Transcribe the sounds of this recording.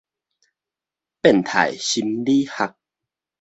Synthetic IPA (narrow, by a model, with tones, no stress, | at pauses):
pe˥˩˨nt̪ʰa̰˨˩jɕi˧mliː˦ha˧k̚